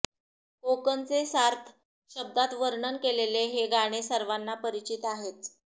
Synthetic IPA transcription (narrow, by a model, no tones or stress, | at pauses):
kokənt͡sesaɾt̪ʰ | ɕəb̚d̪at̪ʋəɾɳənkeleleɦeɡaɽ̃esəɾʋanːapəɾit͡ɕit̪aɦet̪̚